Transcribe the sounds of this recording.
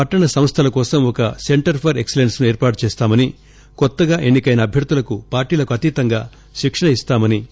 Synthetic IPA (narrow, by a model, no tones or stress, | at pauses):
pɐʈːɐɳɐsɐm̃st̪ʰɐlɐkɔːsɐmɔkɐse̞ɳʈɐɾpʰɐɾeksele̞nsnueːɾpaːʈt͡ʃɛːst̪aːmɐni | kɔt̪ːɐɡaːʔe̞nːikɐjnɐːbʱjɐɾd̪ʱulɐkupaːɾʈiːlɐkuɐt̪iːt̪ɐŋɡa̰ː | ʃikʂɐɳɐist̪aːmɐni